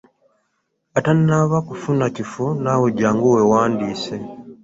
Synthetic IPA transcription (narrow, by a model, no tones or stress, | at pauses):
atannaβakufunacifunaweɟaːŋɡowewaːndiːse̞